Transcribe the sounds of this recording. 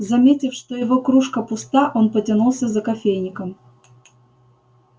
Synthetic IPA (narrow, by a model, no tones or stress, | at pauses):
zɐmʲetʲɪfʂt̪ojɪvokɾuʂkəpʊst̪aʔo̞npətʲɪnulˠsʲəzəkɐfʲejnʲɪkəm